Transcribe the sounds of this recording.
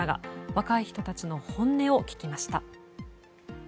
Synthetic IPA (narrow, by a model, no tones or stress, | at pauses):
aɡa̰βakaiçi̥t̪o̞t̪at͡ɕino̞hõ̞nːe̞o̞kʲi̥kʲimaɕi̥t̪a